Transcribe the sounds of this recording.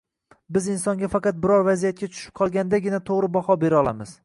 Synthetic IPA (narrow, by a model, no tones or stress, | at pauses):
bɪzɪnsɒŋɡʲafɑqɑt̪̚bɪɾɒɾvazijat̪̚kʲat͡ʃ̪ʰʊ̥ʃɪ̥p̚qʰɒlˠɡʲand̪aɡʲɪnat̪ʰoʁɾɪbahɒbe̞ɾɒlˠa̰mɪz̥